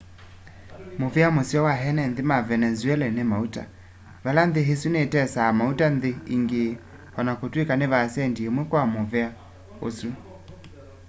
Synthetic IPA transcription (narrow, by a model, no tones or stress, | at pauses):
movɛamosjɔwaɦɛnɛnðemavɛnɛzwɛlɛnemauta̰ | valanðeɦesunetɛsaːmautanðeiŋɡeː | hɔnakotwekaneβasɛndiemwɛkwamovɛa | o̰su